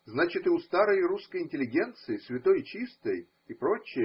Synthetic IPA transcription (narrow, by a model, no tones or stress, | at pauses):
znat͡ɕɪt̪ɨʊst̪aɾəjɪɾuskəjɪnʲtʲɪlʲɪɡʲe̞nt̪sɨɪsvʲɪt̪o̞jt͡ɕist̪əj | ipɾo̞t͡ɕːɪ